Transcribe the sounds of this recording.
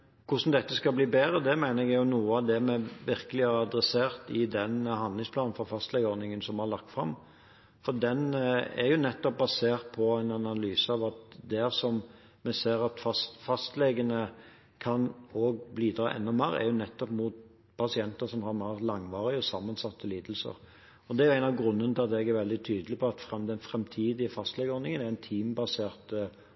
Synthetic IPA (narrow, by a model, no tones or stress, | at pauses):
kʰʊʂn̩d̪ɛt̪ːəskɑbliːbeːɾəd̪ɛmæɪnəɾɛɡɛjʊnuːəɑʋd̪ɛmɛʋɪʁkəlɪæɾɑd̪ɾɛseːʁt̪ɪd̪ɛnɦɑnlɪŋspʰlɑːnn̩fɔfɑst̪lɛɡəɔɾnɪŋənsɔmhɑɾlɑkt̪fʁɑm | fɔd̪ɛnæ̰ɾjʊnɛt̪ːɔp̚bɑseːʁt̪̚pʰɔæɪnɑnɑlyːsəɑʋɑt̪d̪æɾsɔm | mɛseːɾɑt̪fɑst̪fɑst̪lɛɡənə | kʰɑnoːɡbliːd̪ɾɑːʔɛ̰nːɔmæ̰ɾə̰æ̰ɾjʊnɛt̪ːɔpmut̪ | pʰɑsɪɛnt̪əsɔmhɑɾmæːʁlɑŋːʋɑːɾɪɔsɑmːənsɑt̪ːəliːd̪l̩sə̰ɾ | ɔd̪ɛæɾjʊæɪnɑʋɡɾʉnːənət̪ʰɪlɑt̪ɛɡæɾʋɛld̪ɪt̪ʰyːd̪əlɪpʰɔɑt̪fɾʁɑmd̪ɛnfɾɛmt̪ʰiːd̪ɪəfɑst̪lɛɡəɔːnɪŋənæɾɪnt̪ʰiːmbɑseːɾt̪